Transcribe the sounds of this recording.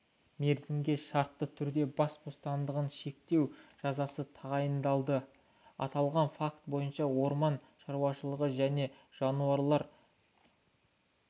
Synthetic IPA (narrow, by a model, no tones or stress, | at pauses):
me̞ɾzɪmɡʲe̞ʃɑɾt̪ːət̪ʰʏɾd̪e̞bɑsbo̞st̪ɑnd̪əʁənʃe̞k̚t̪e̞wʒ̥ɑzɑsət̪ʰɑʁɑjənd̪ɑlˠd̪ə | ɑ̰t̪ɑlˠʁɑnfakt̪bo̞jənʃɑwo̞ɾmɑn | ʃɑɾuwɑʃəlˠəʁəʒæne̞ | ʒ̥ɑnuɑɾlˠɑɾ